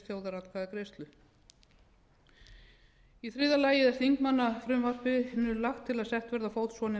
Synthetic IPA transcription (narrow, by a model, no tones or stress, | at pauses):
t̪jowðaɾat̪kaðakɾejst̪lʏ | iθɾiːðalaːjɪðɛɾ̥θiŋkmanːafɾʏmvar̥pɪnːʏlaxt̪ʰːɪlaðsɛht̪vɛɾðafoːwt̪svɔːnɪ